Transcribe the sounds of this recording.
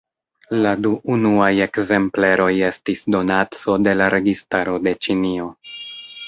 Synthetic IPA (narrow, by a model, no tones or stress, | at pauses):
laduʔunuaje̞kze̞mple̞ɾo̞je̞stisdo̞nat͡so̞de̞laɾʔe̞ɡistaɾo̞de̞t͡ʃinio̞